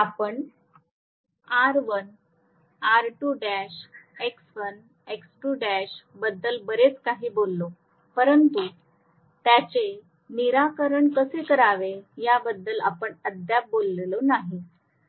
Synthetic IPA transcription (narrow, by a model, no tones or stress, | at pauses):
apəɳ | aɾʋən | aɾʈuːɖæɕeksʋən | eksʈuːɖæɕbəd̪ːəlbəɾet͡skaɦiːbolːo | pəɾənt̪u | t̪jat͡se | niɾakəɾəɳkəsekəɾaʋejabəd̪ːəla̰pəɳəd̪jap̚bolːelonaɦi